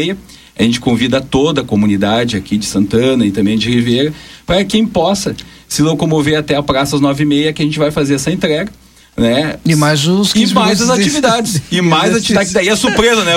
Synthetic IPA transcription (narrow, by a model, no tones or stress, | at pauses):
ejɐ | aʒẽnt͡ʃɪ̥kõvid̪ɐt̪od̪ɐːkomunid̪ad͡ʒɪakid͡ʒɪsɐ̃nt̪ɐ̃nɐɪt̪ɐ̃mbẽj̃d͡ʒɪhivejɾɐpaɾɐkẽj̃pɔsɐsilõwkõmoveɾat̪ɛɐpɾasɐznɔvɪimejɐkɪɐʒẽt͡ʃɪvajfazeɾɛsɐẽnt̪ɾɛɡɐ | nɛɪmajzʊsɪmajzzɐzat͡ʃivid̪ad͡ʒɪsɪmajzɐd̪ad̪aiɛsuɾpɾezɐnɛ